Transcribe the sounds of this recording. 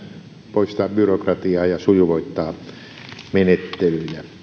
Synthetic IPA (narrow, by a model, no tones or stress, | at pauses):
poist̪ɑːbbyrokrɑt̪iɑːjɑsujuʋoit̪ːɑː | menet̪ːelyilæ